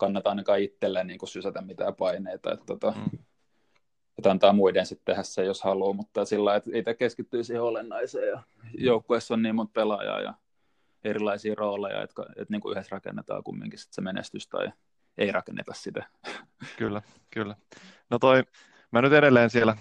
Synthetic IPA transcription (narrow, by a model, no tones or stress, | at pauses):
kɑnːɑt̪ɑɑinɑkɑːit̪ːelːænniːŋkusysæt̪æmmit̪æ̰ːpɑineit̪ɑ̰ḛt̪t̪ot̪ɑ | et̪ɑnt̪ɑːmuidensit̪t̪ehæssejoshɑluːmut̪ːɑsilːɑiet̪eit̪ækeskit̪ːyːsiheolenːɑiseːjɑ | joukːoesːonniːmːont̪̚pelɑjɑ̰ːjɑ̰ | erilˑɑisiːroːlejɑ̰ḛt̪kɑ̰ḛt̪niːŋkuyhesrɑkḛnːet̪ɑ̰ːkṵmːḭŋkisi̥t̪semenḛst̪yst̪ɑ̰i | eirɑkenːḛt̪ɑssit̪æ | kylːæ | kylːæ | not̪oi | mænyt̪eɾelːˑeːnsielæ